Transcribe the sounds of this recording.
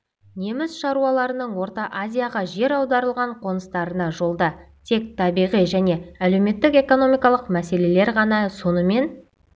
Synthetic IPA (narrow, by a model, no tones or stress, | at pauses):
ne̞mɪzʃɑɾuɑlˠɑɾənəɴwo̞ɾt̪ɑʔazʲijaʁɑʒe̞ɾɑwd̪ɑɾəlˠʁɑɴqʰo̞nəst̪ɑɾənɑʒo̞lˠd̪ɑt̪ʰe̞k̚t̪ʰɑbijʁijʒæne̞æle̞wme̞t̪ːɪke̞ko̞no̞mijkɑlˠəqmæse̞le̞le̞ɾʁɑnɑso̞nəme̞n